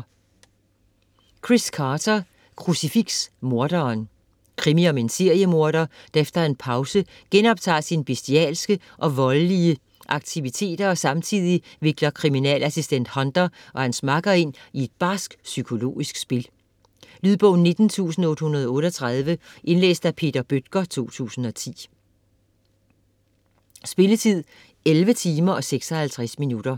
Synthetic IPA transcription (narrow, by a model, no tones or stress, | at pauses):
kʰʁiskʰɑːdʰɐ | kʰʁusifiɡ̥smo̝ɐd̥ɐːn | kʰʁimiɒ̽me̝nse̝ɐ̰jəmo̝ɐɾɐd̥ɑefd̥ɐe̝npʰɑ̈ʊsə | ɡ̥enɒ̽b̥̚t͡sʰɑ̰̈ːsinb̥esd̥iɛ̰ːlsɡ̥ə | ʔɒ̽ʋɒ̽lliə | ʔɑ̈ɡ̥̚t͡sʰiʋit͡sʰe̝̰ːd̥ɐɒ̽sɑ̈mt͡sʰið̰ˠiʋe̝ɡ̥lɐkʰʁiminɛ̰ːlæsisd̥en̰d̥hɒ̽nd̥ɐʔɒ̽hænsmɑ̈ɡ̥ɐe̝n̰ie̝d̥̚b̥ɑ̈ːsɡ̥sykʰo̝lo̝̰ːisɡ̥sb̥e̝l | lyðˠb̥ɔʊn̩ːe̝d̥n̩t͡sʰṵːsn̩ɔ̽ːd̥hunɐð̞ˠɒɔ̽ːɾ̥ɒt͡sʰʁɑð̞ˠʋəʔe̝nlḛːsd̥æpʰe̝̰ːd̥ɐb̥ød̥̚ɡ̥ɐt͡sʰo̝̰ːt͡sʰṵːsn̩ɒ̽t͡sʰḭː | sb̥e̝lət͡sʰið̞̰ˠ | elʋət͡sʰiːmɐɒ̽seɡ̥sɒhælt͡sʰʁæsminud̥ɐ